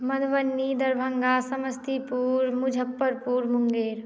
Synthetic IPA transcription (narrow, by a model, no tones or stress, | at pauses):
mɐd̪ʱʋənːid̪ɐɾbʱəŋɡaːsɐməst̪ʰipuːɾmʊd͡ʒʱəpːəɾpuːɾmʊŋɡeːɾ